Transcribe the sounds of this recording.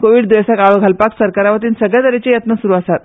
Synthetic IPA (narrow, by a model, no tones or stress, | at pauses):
koʋiːɖd̪ʋesakaʋəɡʱalpaksəɾkaɾaʋət̪̬iːnsəɡɭjad̪əɾet͡ɕejət̪nəsuɾuːəsat̪